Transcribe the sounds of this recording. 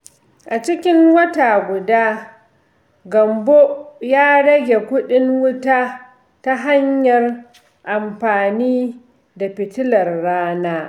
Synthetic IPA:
ʔa˨t͡ʃɪ˦kʲɪ˦ŋwɐ˦ta˨ɡʷʊ˨daː˦ | ɡɐ˨mbo˦jaː˦ɽɐ˦ɡʲe˨kʷʊ˦ɗɪ˦ŋwʊ˦taː˦ | ta˦ɦa˦ɲjɐ˨r | ʔa˨mɸaː˨niː˦ | da˨ɸɪ˨tɪ˦lɐ˨rːaː˦naː˦

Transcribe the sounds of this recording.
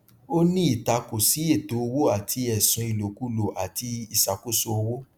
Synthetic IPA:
o˦nĩ˦i˦˨ta˧ko˨si˨˦e˦˨to˨˦o˧wo˦a˦˨tʰi˧ɛ˨sũ˧i˨lo˨ku˦lo˨ʔa˨ti˧i˦˨sa˨ko˦so˧o˧wo˦

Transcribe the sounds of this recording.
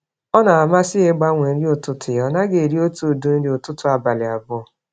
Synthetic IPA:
ɔ˦na˨a˨ma˦sɪ˦e˦ɡ͡ba˦ŋʷe˨n̩˦dɪ˦o˨tʊ˦tʰʊ˨jɔ˨na˦ɡe˨ɾi˦o˦tu˦˨du˦n̩˦dɪ˨o˨tʊ˦tʊ˨a˨ba˨lɪ˨a˨bʊ˦˨

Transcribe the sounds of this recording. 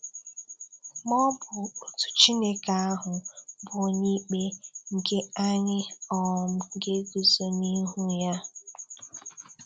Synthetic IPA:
mɔ˦bʊ˨o˨tu̥˨t͡ʃi˦ne˦ka˨a˦ɦʊ˨bʊ˨ɲi˦k͡pe˦ŋ̩˨ke˦a˦ɲɪ˦ɔ˨m̩˦ŋ̩˨ɡe˦ɡi˨so˦ni˦ɦu˦ja˦

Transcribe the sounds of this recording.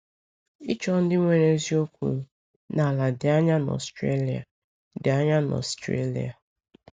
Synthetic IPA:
i˦t͡ʃɔ˦n̩˦dɪ˦ŋʷe˨ɾe˦zi˦o˦kʷṵ˨ɾu˨ | na˨la˨dɪ˨a˦ɲa˦na˨ɔ̰˨stɾe˦li˨a̰˨ | dɪ˨a˦ɲa˦nɔ̰˨stɾḛ˦lḭ˨a˨

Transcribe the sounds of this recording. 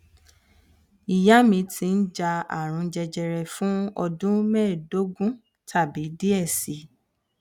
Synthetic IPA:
i˨ja˦mĩ˧tʰĩ˧n̩˦d͡ʒa˧a̰˨ɾ̃ũ˨˧˦d͡ʒɛ˧d͡ʒɛ˧ɾɛ˨fũ˦ɔ˧dũ˦mɛ˦˨do˨˦ɡũ˦ | tʰa˦˨bi˨˦di˦ɛ˦˨si˨˦

